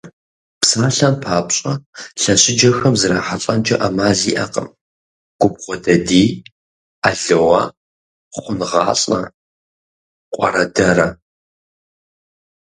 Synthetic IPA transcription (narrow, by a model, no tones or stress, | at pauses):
psaːɬɐnpʰaːpɕʼɐɬɐɕʼɪd͡ʒɐxɐmzɨɾaːħaɬʼɐnd͡ʒʼɐʔɐmaːziːʔɐqə̰m | ɡ̥ʷʊb̚ʁʷɔdɐdiː | aɮɨwɐ | χʷʊnʁɑːɕʼɐ̰ | qʷʼɐ̰ɾɐdɐrɐ